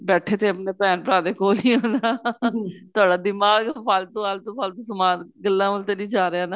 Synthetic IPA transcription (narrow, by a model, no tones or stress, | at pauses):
bɛːʈʰeːt̪eːəpneːpɛːnpəɾaːd̪eːkoːlĩːɦoːnaː | t̪ʊaːɖaːd̪ɪmaːɡpʰalt̪õːalt̪õːpʰalt̪õːsəmaːnɡəlːãːʋəlt̪eːnĩːd͡ʒaːɾeaːnaː